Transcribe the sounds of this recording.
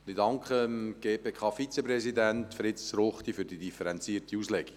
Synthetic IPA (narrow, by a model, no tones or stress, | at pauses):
ndɪdɑŋkχəmɡ̥eːpeːkʰɑːfit͡sepɾɛsidæntfɾɪtsɾoχt̪ifyɾd̥idifəɾɛnt͡siːrtiuslɛɡ̥i